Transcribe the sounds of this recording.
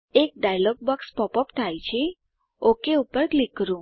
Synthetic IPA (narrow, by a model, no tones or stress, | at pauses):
ek̚ɖajlɔk̚bɔkspɔpəpt̪ʰajt͡ʃʰe | okeupəɾklikɾũ